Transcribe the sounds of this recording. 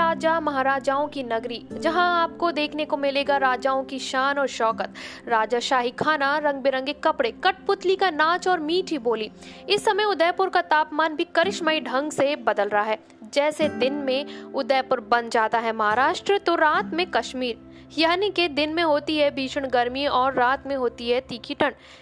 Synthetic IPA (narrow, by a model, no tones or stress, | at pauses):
aːd͡ʒamɐɦaːɾaːd͡ʒaːõkinɐɡɾid͡ʒɐɦãaːp̚kod̪eːkʰnekomɪleːɡaɾaːd͡ʒaːõkiʃaːnɔːɾʃɔːkət̪ | ɾaːd͡ʒaʃaːɦikʰaːnaɾɐ̃ŋɡ̚bɪɾə̃ŋɡekɐpɽekɐʈ̚pʊt̪likanãːt͡ʃɔːɾmiːʈʰɦiboːliː | ɪsːɐməjʊd̪ɛːpʊɾkat̪aːpmaːnbʱikɐɾɪʃmaːiɖʱɐ̃ŋɡsebɐd̪əlɾɐɦaɦɛː | d͡ʒɛːsed̪ɪnmẽʊd̪ɛːpʊɾbɐnd͡ʒaːt̪aɦɛmɐɦaːɾaːʃʈɾət̪oɾaːt̪mẽkɐʃmiːɾ | jaːniked̪ɪnmẽɦoːt̪iɦɛbʱiːʃəɽ̃ɡɐɾmiɔːɾːaːt̪mẽɦoːt̪iɦɛt̪iːkiʈəɳ